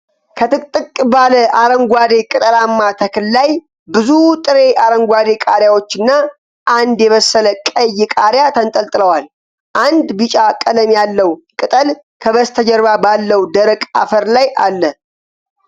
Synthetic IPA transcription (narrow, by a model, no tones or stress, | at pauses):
kʰət̪ʰɨkʼt̪ʼːɨkʼbaləʔaɾəŋɡʷad̪e̞kʼɨt̪ʼəlamːat̪ʰəkʰɨllaj | bɨzut̪ʼɨɾe̞ʔaɾəŋɡʷad̪e̞kʼaɾjawo̞t͡ʃːɨnːa | ʔand̪jɛβəsːələkʼəjːɪkʼaɾjat̪ʰənt̪ʼəlt̪ʼɨləwal | ʔand̪bɨt͡ʃʼakʼələmjalːəwkʼɨt̪ʼəl | kʰəβəst̪ʰəd͡ʒəɾβabalːəwd̪əɾəkʼa̰fəɾlajʔa̰lːə